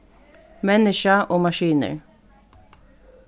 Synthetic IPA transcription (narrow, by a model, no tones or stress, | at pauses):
mɛnɪʃɑʔoːmɑʃiːnə̰ɹ